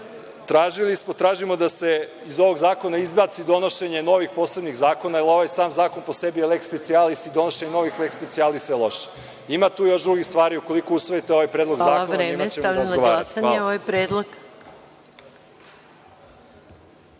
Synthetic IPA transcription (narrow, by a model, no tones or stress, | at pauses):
t̪ɾaːʒilismot̪ɾaːʒimo̞d̪ase̞ | izo̞ʋo̞ɡzaːko̞naizbat̪sid̪o̞no̞ʃe̞ɲe̞no̞ʋixpo̞ːsleb̪niɣzaːko̞nailo̞ʋajsaːmzaːkonpo̞sebielekspet̪sialisid̪o̞noʃe̞ɲeno̞ʋixlekspet̪ialisalˠo̞ʃe̥ | imat̪uːjo̞ʃd̪ɾuɡist̪ʋaːɾiuko̞likousʋojit̪eoʋajpɾed̪lo̞ɡzaːkonɾeimt͡ɕemaɾanɡoaːɾaatsaɲeoʋajpɾeːd̪lˠoɡ